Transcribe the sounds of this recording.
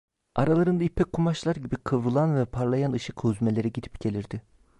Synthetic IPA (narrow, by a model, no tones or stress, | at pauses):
aɾalˠaɾɯnd̪aipʰɛc̚kʰːumaʃlˠaɾɟibikʰɯvɾɯlˠanvɛpʰaɾlˠajanɯʃɯkʰuzme̞lʲe̞ɾɛɟid̪i̥pcʰe̞lʲiɾd̪̥ɪ